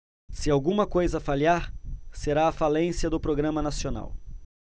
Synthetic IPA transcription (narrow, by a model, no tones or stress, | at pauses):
sɪawɡũmɐkojzɐfaliaɾseɾaːfalẽsjɐd̪ʊpɾoɡɾɐ̃mɐnasiona̰w